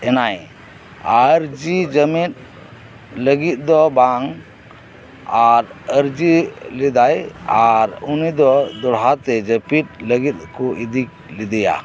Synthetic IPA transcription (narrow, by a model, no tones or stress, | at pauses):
ɛnaj | aɾd͡ʒid͡ʒəmit̪̚ | ləɡit̪̚ˀd̪ɔbaŋ | aɾəɾd͡ʒilɛd̪ajaɾunid̪ɔd̪ɔɽɦat̪ɛd͡ʒəpit̪̚ləɡit̪̚kɔʔid̪ik̚ | lid̪ɛja̰